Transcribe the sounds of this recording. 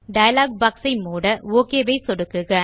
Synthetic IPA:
ɖɐjɐlaːɡ̚baːksɐɪmuːɽɐoːkeːʋɐɪsɔɽɯkːɯɣɐ

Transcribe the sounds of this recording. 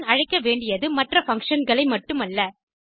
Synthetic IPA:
nɐɻɐɪkːɐʋeːɳɖɪjɐðɯmɐʈrɐfɐŋkʂɐnɡɐɭɐɪmɐʈːɯmɐlːɐ

